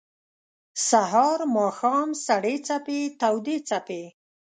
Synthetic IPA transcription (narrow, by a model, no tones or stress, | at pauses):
saɦɑɾmɑxɑmsaɽet͡sapet̪awd̪et͡sape